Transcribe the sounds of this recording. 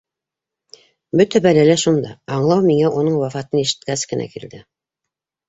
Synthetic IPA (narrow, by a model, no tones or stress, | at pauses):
bɵt̪æbælælæʃund̪ɑɑɴlˠɑwmiŋæʔunɤɴwɑfɑt̪ɤniʃɘ̥̆t̪̚kæskɘ̆nʔæ̰kḭld̪ɘ